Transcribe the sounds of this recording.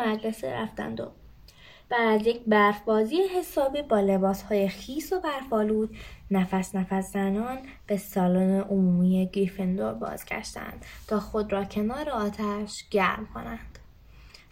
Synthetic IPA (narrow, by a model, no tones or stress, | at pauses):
mæd͡ʒle̞sḛɾæ̰ft̪æ̰nd̪o̰ | b̥ædæzje̞cʰbæɾfbɒːziːjeɦe̞sɒːbiːbɒːle̞bɒːshɒːje̞xiːso̞bæɾfɒːluːd̪̥næfæsnæfæszænɒːn | b̥e̞sɒːloneʔomuːmiːjeɡɾifend̪o̞ɾbɒ̰ːz̥ɟʲæ̰ʃt̪æ̰nd̪̥t̪ʰɒːxo̞d̪ɾɒːcʰe̞nɒːɾeɒːt̪ʰæʃɟ̥æɾmkʰo̞̰nænd̪̥